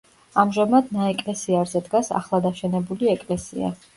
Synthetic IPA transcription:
amʒamad̪naɛkʼlɛsiaɾzɛd̪ɡasa̰χlˠad̪aʃɛnɛbuliɛkʼlɛsḭa̰

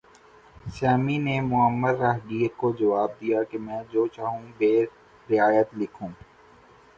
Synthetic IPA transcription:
saːminemʊəmːəd̪ɾaːɦɖiːɾkod͡ʒɐʋaːb̚d̪ijakemɛ̃ːd͡ʒoːt͡ʃaːɦũbeː | ɾɪaːjət̪lɪkʰũː

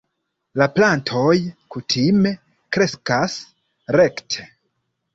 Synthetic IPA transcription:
laplantʰo̞jkutʰime̞ | kɾe̞skas | ɾe̞ktʰe̥

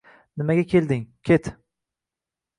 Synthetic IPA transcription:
nɪmaɡʲakʲʰeld̪ɪŋkʲʰet̪

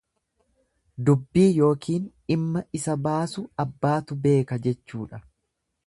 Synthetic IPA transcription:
d̪ʊbːiːjo̞ːkʰiːn | ɪmːɐʔɪsɐbaːsʊɐbːaːt̪ʊbe̞ːkɐd͡ʒɛt͡ʃːuːᶑɐ

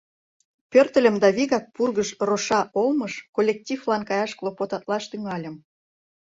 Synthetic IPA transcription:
pørt̪ə̆lʲə̆md̪ɑβiɣɑk̚purɣəʃroʃɑʔolməʃkolʲːek̚tʲiflɑnkɑjɑʃklˠopot̪ɑt̪lɑʃt̪yŋɑlʲə̆m

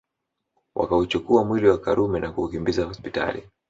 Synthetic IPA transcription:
wʔa̰kaut͡ʃukuamwiliwakaɾumɛnakuːkimbizahɔspita̰lḭ

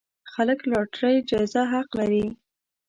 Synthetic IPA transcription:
xaləklɑʈɾəjd͡ʒɑɪzaɦaqlaɾi

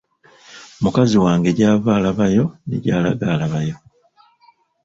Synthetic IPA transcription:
mukaziwaːŋɡe̞ɟaːvaːlaβajo̞nḭɟaːla̰ɡalaβajo̞

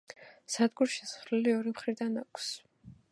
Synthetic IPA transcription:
sad̪ɡuɾʃɛsχɾlɛliɔɾimχɾid̪anakʰs

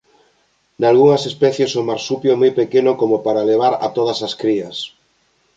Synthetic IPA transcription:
d̪alɣuŋɐsespɛθjesomaɾsupjomojpekenʊkomopaɾaleβ̞aɾɐ̰t̪oð̞ɐsɐskɾiɐs

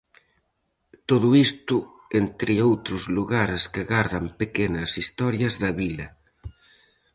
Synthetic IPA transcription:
t̪oðuist̪u | ent̪ɾɪowt̪ɾuzluɣaɾeskeɣaɾðɐmpekenɐsist̪ɔɾjɐzðɐβilɐ

